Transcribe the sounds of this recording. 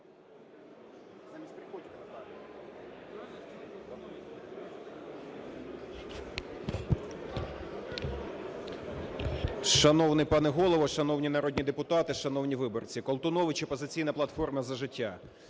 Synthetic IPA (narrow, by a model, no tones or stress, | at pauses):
ʃɐnɔwnɪjpɑnɛɦɔlˠɔʋɔʃɐnɔwnʲinɐɾɔd̪ʲnʲid̪epʊt̪ɑt̪ɪʃɐnɔwnʲiʋɪbɔrt͡sʲikɔlˠt̪ʊnɔʋɪt͡ʃɛpɔzɪt͡sʲijnɐplˠɐt̪fɔrmɐzɐʒɪtʲːa